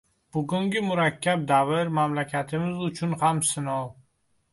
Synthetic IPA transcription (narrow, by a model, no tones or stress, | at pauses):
b̥ʊɡʊŋɡʲɪmʊɾakʲʰːab̚d̪avɪɾmamlakʲʰat̪ʰɪmɪzʊt͡ʃʰʊnhamsɪnɒw